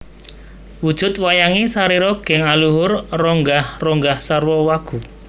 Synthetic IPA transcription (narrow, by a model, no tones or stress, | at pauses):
wud̥ʒ̥ʊ̤t̪̚wajaŋisaɾiɾɔɡ̥ɛ̤ŋaluɦʊrrɔŋɡahrɔŋɡahsarwɔwaɡ̥ṳ